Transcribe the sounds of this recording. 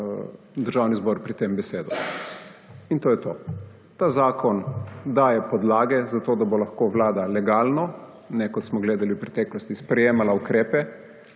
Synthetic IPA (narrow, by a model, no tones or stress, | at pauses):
d̪əɾʒaːwnizbɔːɾpɾit̪embɛseːd̪u | int̪oːjɛt̪oː | t̪aːzaːkɔnd̪aːjɛpɔd̪laːɡɛzat̪oːd̪abolaxkoʋlaːd̪alɛɡaːlnɔ | nɛkɔt̪smɔɡleːd̪aliwpɾɛt̪ɛːklɔst̪ispɾɛjeːmalaukɾeːpɛ